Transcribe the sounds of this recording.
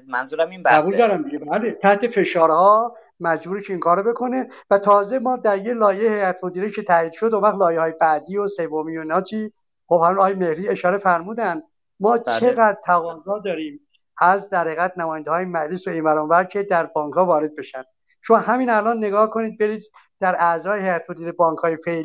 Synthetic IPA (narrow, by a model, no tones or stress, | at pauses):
mænzuɾmæbuːld̪ɒɾæmd̪iɟebælet̪ʰæht̪ʰe̞fe̞ʃɒːɾhɒː | mæd͡ʒbuːɾecʰeiːŋkʰɒːɾobe̞kʰo̞ne̞ | væt̪ʰɒːze̞mɒːd̪æɾjelɒːjejhejæt̪ʰmod̪iːɾekcʰet̪ʰæiːd̪̥ʃo̞d̪omvæɣlɒːjehɒːjebæːd̪iːosevomijoiːnɒːt͡ʃʰiː | xobhæmunɒːjeme̞hɾiːe̞ʃɒːɾe̞fæɾmuːd̪ænd̪ | mɒːt͡ʃʰeɣæd̪ɾt̪ʰæɣɒːzɒːd̪ɒːɾiːm | æzd̪æɾhiɣæt̪næmɔːjænd̪ehɒːjemæd͡ʒlesoinvæɾɔnvæɾcʰe̞d̪æɾbɒːŋkhɒːvɒːɾe̞d̪̚be̞ʃænd̪̥ | t͡ʃʰomɦæmiːnælɒːnːe̞ɡɒːhkʰoniːd̪̚be̞ɾiːd̪ | d̪̥æɾæzɒːjehejæt̪ʰmod̪iːɾebɒːŋkʰhɒːjefe̞li